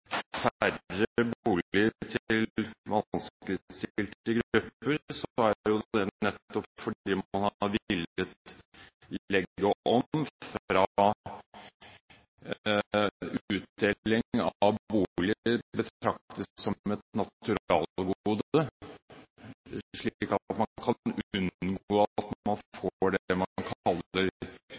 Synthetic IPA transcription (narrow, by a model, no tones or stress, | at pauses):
fæɾəəbuːlɪt̪ʰlʋɑnskləst̪ɪlt̪ɾəɡɾʉpːəɾsɔæɾjʊd̪d̪ɛnɛt̪ːɔpfɔɖiːmɑnhɑʋɪlət̪ | ɛɡːəʔɔmfɾɑ | ʉːt̪̚d̪eːɪŋɑʋbuːlɪbət̪ɾɑk̚t̪əsːɔɛt̪nɑtʉɾɑːlɡuːd̪ə | ʂɭiːkɑt̪mɑkʰɑnʉnɡoːɑt̪ɑnfoɖɛmɑnkʰɑlːəɾ